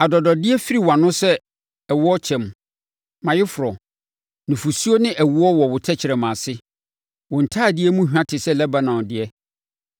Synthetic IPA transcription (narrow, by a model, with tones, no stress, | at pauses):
a˨dɔ˨dɔ˨dɪ˦ɛ˦fi˦ɾi˨wã˨nʊ̃˦sɛ˦ | ɛ˨wʊ˦ɔ˦t͡ɕʰɛ̃˨m˨ | mã˨jɪ˦fʊ˨ɾɔ˨ | nʊ̃˨fu˨su˦o˦nɪ̃˦ʔæ˨wu˨˦ɔ˦wɔ˨wʊ˨tʰɛ˦t͡ɕʰɪ˨ɾɛ˨mã˨sɪ˦ | wɔ̃˨n̩˨tʰaː˦˨dɪ˦ɛ˦mũ˦hᶣã˦tʰɪ˨sɛ˦˨lɛ˦ba˦nã˨wdɪ˦ɛ˦